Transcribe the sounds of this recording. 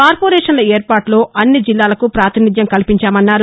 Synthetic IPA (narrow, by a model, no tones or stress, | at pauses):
kaːɾpoːɾɛːʂɐnlɐeːɾpaːʈlo̞ːʔɐnːid͡ʒilːaːlɐkupɾaːt̪inid̪ʱjɐmkɐlipiɲt͡ʃaːmɐnːaːɾu